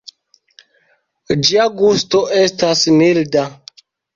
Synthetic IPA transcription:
d͡ʒiaɡustoʔestasmilda

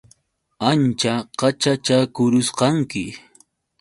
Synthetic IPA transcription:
ant͡ʃaqɑt͡ʃat͡ʃakʊɾʊsqɑŋkɪ

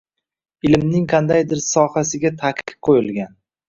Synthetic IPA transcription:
ɪlmnɪŋqʰɑnd̪ajd̪ɪɾsɒhasɪɡʲat̪ʰakʰɨ̥p̚qʰojɪlˠɡʲan

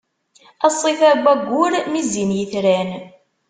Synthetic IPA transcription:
æsˤːiθæɡʷːæɡʷːʊɾmizinjəθɾæn

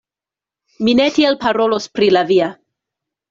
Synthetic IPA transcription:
minetielpaɾolospɾilavia

